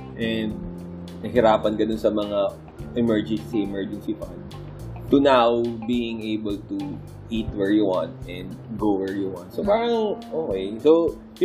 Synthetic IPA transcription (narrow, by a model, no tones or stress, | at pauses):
ʔɛnd̪̚ | nɐhɪɾaːpɐnɡɐnonsɐmɐŋa | ʔɛmɛɹd͡ʒɛnsiʔɛmɛɹd͡ʒɛnsifɐnd̪ | t̪ʊnawbiːɪ̃ŋejbɛlt̪u | ʔit̪̚wɛɹjuwãnt̪̚ʔɛ̃nd̪̚ɡowɛɹjuwãnt̪̚sopaːɾɐŋʔoːkejso